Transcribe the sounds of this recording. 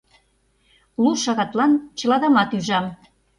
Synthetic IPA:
luʃɑɣɑt̪lɑnt͡ɕɤ̆lɑd̪ɑmɑt̪yʒɑm

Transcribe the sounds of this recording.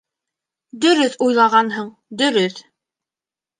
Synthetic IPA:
d̪ɵ̆ɾɵθujlˠɑʁɑnɦɤɴ | d̪ɵ̆ɾɵθ

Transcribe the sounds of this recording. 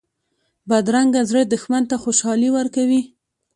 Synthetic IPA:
bad̪ɾaŋɡazɾəd̪ʊxmant̪axoʃɑliwaɾkawi

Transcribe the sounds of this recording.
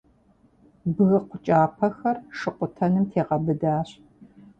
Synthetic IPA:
bɨɣɐqʷʊt͡ʃʼaːpʰɐxɐrʂɨqʷʊtʰɐnɨmtʰeːʁɐbɨdaːɕ

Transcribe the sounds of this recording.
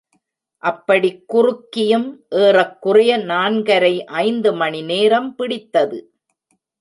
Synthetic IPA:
ʔɐpːɐɽikːʊrʊkːɪjɯmʔeːrɐkːʊrɐjɐnaːnɡɐɾɐɪʔɐɪnd̪ɯmɐɳineːɾɐmpɪɽɪt̪ːɐðɯ

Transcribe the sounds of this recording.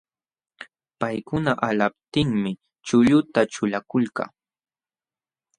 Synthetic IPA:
pajkʊnaʔalap̚t̪ɪŋmɪ | t͡ʃʊʎʊt̪at͡ʃʊlakʊlka̰

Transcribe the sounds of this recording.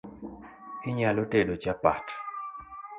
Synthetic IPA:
ɪɲalotedot͡ʃapa̰t

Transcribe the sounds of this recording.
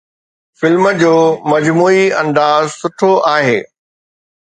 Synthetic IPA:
fɪlməd͡ʑoːmɐd͡ʑmuːiɐ̃nd̪aːzsʊʈʰoʔaːɦeː

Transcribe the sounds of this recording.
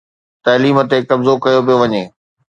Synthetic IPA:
t̪ɐːliːmə̆t̪ekɐbzokɐjop̬ijoʋɐɲeː

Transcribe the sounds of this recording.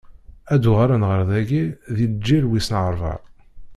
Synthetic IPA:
æd̪ʊʁaɾænʁəɾˤðæɡiðidd͡ʒːilwisnʕəɾˤvɑ̰ɾ

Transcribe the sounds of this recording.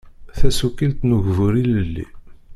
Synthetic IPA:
θæsukːilt̪nuʝvʊɾiləlːḭ

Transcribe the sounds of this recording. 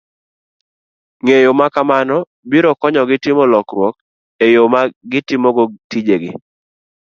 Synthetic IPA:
ŋejomakamanɔ | biɾɔkɔɲɔɡɪtɪmɔlɔkɾwɔk | ejomaɡɪtɪmoɡotid͡ʒeɡɪ

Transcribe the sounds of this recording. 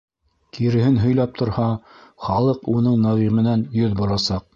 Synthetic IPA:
kiɾɘ̆ɦɘnɦɵ̆jlɑp̚t̪ʰŏɾhɑχɑlˠɤqunɤɴnɑʁimɘ̆nænjɵðbŏɾˠɑsɑq̚

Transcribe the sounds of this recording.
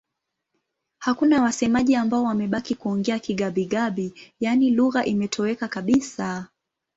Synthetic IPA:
hakunawasɛmaʄiambaɔwamɛɓakikuɔŋɡɛakiɠaɓiɠaɓijaniluɣaʔimɛtʰɔwɛkakaɓisa

